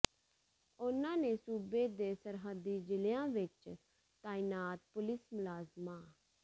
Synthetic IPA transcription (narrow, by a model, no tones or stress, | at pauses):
ʊnãːneːsuːbeːd̪eːsəɾɦəd̪ːiːd͡ʒɪlɪjãːʋɪt͡ʃ | t̪aːinaːt̪̚pʊlɪsmʊlaːzmãː